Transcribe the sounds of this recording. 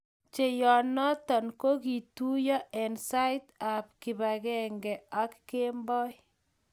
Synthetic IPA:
t͡ʃe˨jɔ˨nɔ˦tɔ˨nko˦ki˨tu˦jɔ˦ɛ˨nsa˦jta˨p̚kɪ˨ba˨ɡɛ˦ŋɡɛ˨a˦kːe˦mbɔ˦j

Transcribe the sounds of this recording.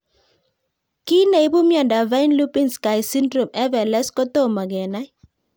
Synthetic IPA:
ki˦na˨i˦bu˦mjɔ˨nda˨va˦ɪ˦nlu˦pi˦ŋska˨ɪsi˦ndɾo˨mɛ˦vɛ˨lɛ˦skɔ˦t̪o˦ma˨ɡɛ˨na˦

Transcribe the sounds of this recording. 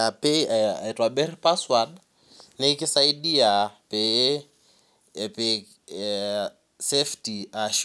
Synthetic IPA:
a˨pʼeaa̰˨i˨tʼwaɓe˦ri˦pʼaswa˨na | ne˦i˦kʼɪ˦sa˦i˦di˦a˨pʼɪ˦˨ | pʼɪ | sefti˨aʃ

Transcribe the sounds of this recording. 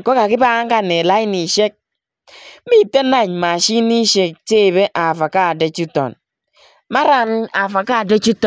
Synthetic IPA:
ko˦ka˨ki˦ba˦a˦ŋ̩˦a˦˨ne˨la˦i˦ni˨ʃe˦k̩̚˦ | mi˦˨te˦na˦˨ɲ˨ma˨ʃi˦ni˦ʃe˨k̚t͡ʃe˦˨be˦ʔa˨fa˨ka˦˨de˦t͡ʃu˦to̰˨n | ma˦ɾa˨n˦a˨fa˨ka˦˨de˦t͡ʃu˦t

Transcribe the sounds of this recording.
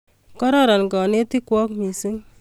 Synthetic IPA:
kɔ˦ɾɔ˦ɾɔ˨nkɔ˨ne˦ti˦kwɔ˦kmi˨si˦ŋ

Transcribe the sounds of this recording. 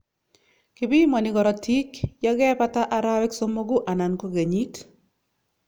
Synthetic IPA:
kɪ˨bi˦mɔ˨nɪ˨ɡɔ˨ɾɔ˨tʰi˦kjɔ˦ɡɛ˦pa˦ta˦ʔa˦ɾa˦wɛ˦kso˦mo˦ɡu˦ʔa˨na˨nko˦ɡe˨ɲi˦t

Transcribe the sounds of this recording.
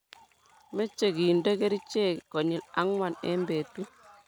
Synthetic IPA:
me˦t͡ʃːe˨ɡi˨ndə˦ke˦ɾi˦t͡ʃe˦ko˨ɲi˨la˦ŋwa˨nḛ˦mbe˨tu˦

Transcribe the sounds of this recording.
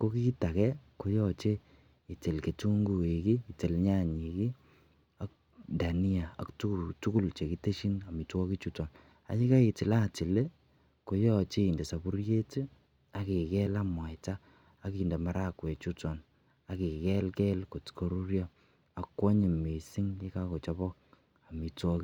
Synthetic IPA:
ko˦ki˦ta˨kɛ˦ko˨jɔ˦t͡ʃe˦ | i˨tɪ˨lke˨tu˦ŋɡu˨e˨kiː˦˨te˨lɲa˦˨ɲi˨ki˦ | a˦k̚ | da˨ni˦a˨a̰˨ktu˦˨tu˦ku˦˨lt͡ʃe˨ki˦te˦ʃi˦na˨mi˨tɔ˦ki˦t͡ʃu˦tɔ˨n | a̰˨t͡ʃi˦ka˦i˨tɪ˨la˦˨ti˨le˦ | ko˨jɔ˦˨t͡ʃe˦i˨nde˨sa˨bu˦rje˦te˦ | a˦ki˨kɛ˦la˦mwa˨jtaː˦ | ki˨ndɛ˨ma˨ɾa˦kwe˨t͡ʃu˦tɔ˨n | a˨ki˨kɛ˦lkɛ˦lko˨tko˦ɾu˦ɾjɔ˦ | a˨kːwɔ˦ɲe˨me˨si˦ŋki˦ka˦ko˨t͡ʃɔ˦βɔ˦k | a˨mi˨tɔ˦ki˦

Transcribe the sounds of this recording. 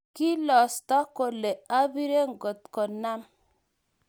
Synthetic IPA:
ki˦lɔ˨sta˦ko˨le˨a˦bi˦ɾe˦ŋ̩˨ɡo˨t̚ko˨nːa˦m

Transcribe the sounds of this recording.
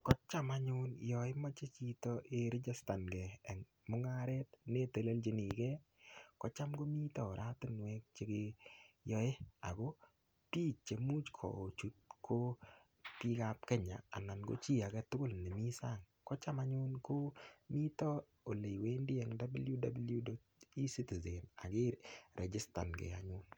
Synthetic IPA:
kɔ˦t͡ʃa˦ma˨ɲʊ˦njɔ˨ɪ˦mɔ˦t͡ʃe˦t͡ʃi˦tɔʔe˨ɾɪ˦d͡ʒa˦sta˨nɡɛ˨ɛ˨ŋ | mʊ˦ŋa˦ɾɛ˦tne˦te˨le˦ld͡ʒe˦ni˨kɛ˦ | kɔ˦t͡ʃa˦mɡo˦mi˦tɔ˨ɾʔa˦tɪ˦nwɛ˦k̚t͡ʃe˦ke˦jɔ˦e˦a˨ɡo˦ | piː˦t͡ʃe˨mu˦t͡ʃkʰɔ̰˨o˨t͡ʃu˦t̚kʰo˦ | pi˦ka˦p̚kɛ˦ɲa̰ː˨na˨nɡo̰˦t͡ʃi˦a˨ɡɛ˦tʊ˦ɡʊ˦lne˨mi˦sa˦ŋ | kɔ˦t͡ʃa˦ma˦ɲʊ˦nko˦mi˦tɔ˦ | o˨le˨jwe˦ndɪ˦ɛ˦ŋda˦blju˦da˨blju˦do˦ | i˦si˦ti˨ze˨na̰˨ɡɪ˦ɾɾʔɛ˨d͡ʒɪ˦sta˨nɡḛ˨a˨ɲʊ˦n

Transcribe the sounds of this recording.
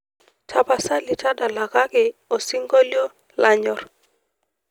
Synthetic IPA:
tʰa˨ba˨sa˦lɪ˨ta˦da˨la˨ka˦kɪ˨o˨si˦ŋɡo˦ljo˦ | la˦ɲɔ˨r

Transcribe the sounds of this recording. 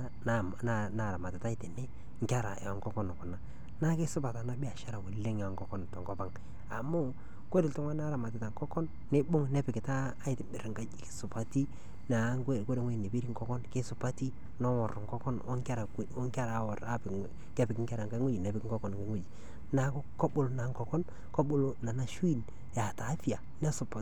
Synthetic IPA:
n˨ | na˨na˨ɾa˨ma˨tɪ˨ta˦ɪ˦te˨ne˦ | ŋ̩˦kʲa˦ɾa˨ja˨ŋkɔ˦kɔ˦n˨kʊ˨na˨ | na˦ke˦sʊ˦pa˨ta˨na˦bi˦a˨ʃa˦ɾa˨we˨lːe˦ŋa˨ŋɡɔ˦kɔ˦n˨tɔ˨ŋɡɔ˦pa˦ŋ | a˨mu˦ | kʷe˦dɪ˨ltʊ˦ŋwa˦na˦ɾa˨ma˨t̬ɪ˨ta˨ŋkɔ˦kɔ˦nːe˦bʊ˦ŋ˨nɛ˦pɪ˨kɪ˨taː˦ɪ˨tɪ˨bɪ˨ɾŋka˦d͡ʒke̥˦sʊ˨pa˦ti˦ | na˨˦ŋke˦˨kwe˦de˨ŋwe˦˨ne˨bi˦ɾi˦ŋ̩˦kɔ˦kɔ˦nke˦sʊ˨pa˦ti˦ | nɔ˦wɔ˨rŋkɔ˦kɔ˦nɔ˦ŋka˦ɾa˨˦ŋka˦ɾa˨˦wɔ˨ɾa˦pɪ˨ | kɛ˦pɪ˨kɪ˦ŋka˦ɾa˨ŋɡa˦ŋu˦d͡ʒi˨nɛ˨pɪ˦kŋɡɔ˦kɔ˨n˨ka˦ŋu˦d͡ʒi˨ | na˨kkɔ˦ɓʊ˨lo˨na˨˦ŋkɔ˨kɔ˦n | kɔ˦bʊ˦˨lo˦na˨na˦ʃwi˦n | ja˨ta˨˦fi˦a˨ | nɛ˦sʊ˨pa˨

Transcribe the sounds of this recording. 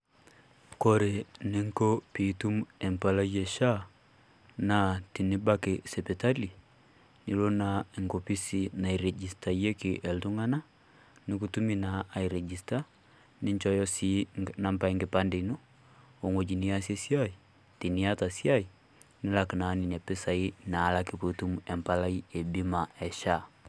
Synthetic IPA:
ko˦ɾe˨nɪ˦ŋko˦pi˨tu˦mɛ˨mpa˨la˦je˨ʃa˦ | na˨ti˨ni˦ba˦kese˨pe˨ta˦li˨ | ni˨lo˦na˨e˨ŋɡo˨pi˦si˨na˨i˨ɾɛ˨d͡ʒi˨sta˨je˦ki˨ʔɛ˨ltu˦ŋa˦na˦ | ni˦ku˦tu˦mi˦naː˨i˨ɾɛ˨d͡ʒi˨sta˦ | ni˦ɲt͡ʃɔ˦jɔ˦sina˦mpa˨i˦ŋɡe˨pandɛ˨i˨nu˦ | o˨ŋo˨d͡ʒi˨nia˦sɛ˦si˦a˦i˨ | ti˨ni˦a˦ta˨si˦a˦i˨ | ni˦la˨ki˨na˦ni˨nɛ˨pɛ˦sa˨i˦naː˨˦la˦ki˨pu˨tu˦muɛ˨mpala˦i˦ɛ˨bi˦ma˨ɛ˨ʃa˦

